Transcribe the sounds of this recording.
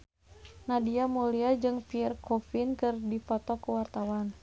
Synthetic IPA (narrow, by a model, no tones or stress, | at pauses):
nadiamuliad͡ʒɨŋpiɛrkʰofinkɨrdifɔt̪ɔkuwart̪awan